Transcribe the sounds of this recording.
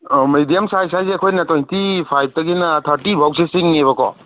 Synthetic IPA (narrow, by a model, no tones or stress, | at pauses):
mijdijamsajsajseɐkʰojnɐtojntipʰajb̚tɐɡinatʰɐɾtibʱawsesiŋːeβɐkɔ̰